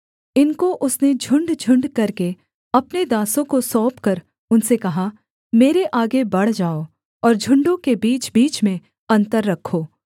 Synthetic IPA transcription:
ɪnkoʔʊsned͡ʒʱʊ̃ɳɖd͡ʒʱʊ̃ɳɖkɐɾke | ɐpned̪aːsõkosɔːpkɐɾ | ʊnsekɐɦa | meːɾeʔaːɡebɐɽ̤d͡ʒaːo | ɔːɾd͡ʒʱʊ̃ɳɖõkebiːt͡ʃbiːt͡ʃmẽ | ɐ̃nt̪əɾːɐkʰːoː

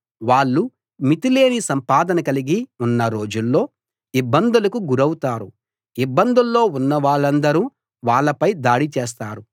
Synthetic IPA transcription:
ʋaːɭːu | mit̪ile̞ːnisɐmpaːd̪ɐnɐkɐliɡiunːɐɾo̞ːd͡ʒulːo̞ː | ibːɐnd̪ulɐkuɡuɾɐwut̪aːɾu | ibːɐnd̪ulːo̞ːunːɐʋaːɭːɐnd̪ɐɾu | ʋaːɭːɐpɐjd̪aːɽit͡ʃeːs̬t̪aːɾu

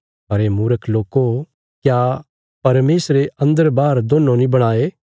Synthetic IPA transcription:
ɦɐɾemuːɾəkʰloːko | kja | pɐɾmeːsɾeɐ̃nd̪əɾbaːɾd̪oːnːonĩbɐɽ̃aːe

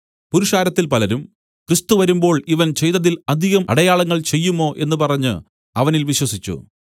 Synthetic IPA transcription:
puɾuʂaːɾɐt̪ːilpɐlɐɾum | krist̪uʋɐɾumbo̞ːɭiʋɐnt͡ɕe̞jt̪ːɐðilɐd̪ʱiɣɐmʔɐ̰ɽɐjaːɭɐŋːɐɭt͡ɕe̞jːumo̞ːʔe̞nːɨpɐrɐɲːɨ | ɐʋɐnilʋiɕwɐsit͡ɕːṵ

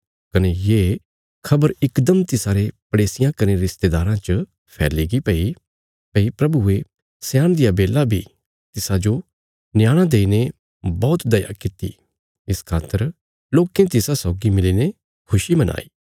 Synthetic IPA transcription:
kɐnejeː | kʰɐbəɾɪkd̪əmt̪ɪsaːɾepɐɽeːsɪjãkɐneɾɪst̪ed̪aːɾãt͡ʃə | pʰɛ̰ːliɡipɛi | pɛipɾɐbue | sjaːɽ̃d̪ɪjabeːlabʱi | t̪ɪsad͡ʒo | nɪjaːɽ̃ãd̪eːine | bɔːʊt̪d̪ɐja̰kɪt̪ḭ | ɪskʰaːt̪ːəɾ | loːkẽt̪ɪsasɔːɡimɪliːne | kʰʊʃimɐnʔa̰ːiː

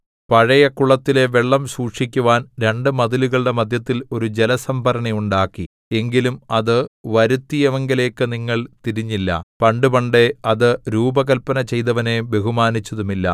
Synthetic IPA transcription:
pɐɻɐjɐkuɭɐt̪ːile̞ʋeɭːɐmsuːkʂikʲːuʋaːnɾe̞ɳɖɨmɐðiluɣɐɭɖe̞mɐd̪ʱjɐt̪ːilo̞ɾud͡ʑelɐsɐmbʱɐɾɐɳɐjuɳɖaːkːi | e̞ŋɡilumɐðɨʋɐɾut̪ːijeʋɐŋɡɐle̞ːkːɨniŋːɐɭt̪iɾiɲːilːɐ̰pɐɳɖupɐɳɖeɐðɨɾuːbɐɣɐlpɐnɐt͡ɕe̞jt̪ɐʋɐne̞be̞ɦumaːnit͡ɕːɐðumilːɐ̰

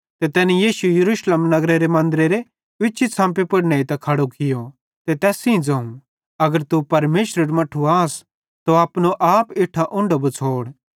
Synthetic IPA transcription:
t̪et̪ɛːnijiːʃujɐɾuːʃleːmnɐɡɾeɾemɐ̃nd̪əɾeɾe | ʋɪʃʰit͡sʰãːmpepɐɽneːit̪ɐkʰɐɽokʰɪjo | t̪et̪ɛːsĩĩd͡zɐ̃ːũ | ɐɡəɾt̪upɐɾmeːʃɾeɾmɐʈʰːuaːs | t̪oaːpnoʔaːpɪʈʰaʔʊ̃ɳɖobut͡sʰoːɽ

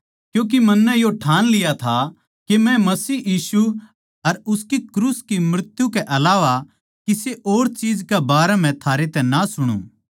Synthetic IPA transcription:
kjũːk̬imɐnːɛjoʈʰaːnlɪjat̪ʰa | kemɛ̃mɐsiːjiːsu | ɐɾʊskikɾuːskimɾɪt̪jukɛʔɐlaːʋa | kiseʔoːɾt͡ʃiːd͡ʒkebaːɾɛm̤ɛ̃t̪ʰaːɾet̪ɛ̃nasʊɽ̃ṵ̃ː

